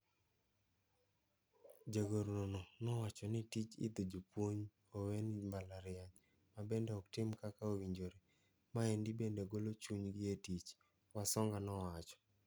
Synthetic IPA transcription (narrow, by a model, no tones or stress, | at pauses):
d͡ʒaɡoɾnonɔnɔwat͡ʃɔnɪtit͡ʃɪ̰d̪od͡ʒopwoɲ | owenmbalaɾɪaɲ | mabendɛɔktɪmkakaowiɲd͡ʒoɾe | maɛndibendeɡolot͡ʃuɲɡɪetit͡ʃ | wasɔŋɡanɔwat͡ʃɔ̥